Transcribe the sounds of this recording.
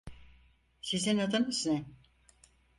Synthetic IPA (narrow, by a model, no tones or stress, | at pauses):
sizinad̪ɯnɯznɛ